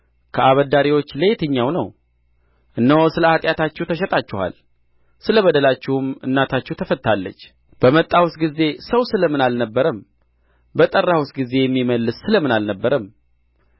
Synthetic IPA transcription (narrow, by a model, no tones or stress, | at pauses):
kʰəaβəd̪aɾiwo̞t͡ʃːlet̪ʰɨɲːawnəw | ʔɨnːəwosɨləat̪ʼjat̪at͡ʃːɛwt̪ʰəʃɛt̪ʼat͡ʃːɪha̰l | sɨləβəd̪əlat͡ʃːɪhʊmɨ̰nːat̪ʰat͡ʃːɛwt̪ʰəfət̪ʰːalːə̰t͡ʃː | b̥əmət̪ʼːawsɡize̞səwsɨləmɨnalnəbːəɾəm | bət̪ʼərːawusɡize̞jɛmːiməlːɨsːɨləmɨnalnəbːəɾəm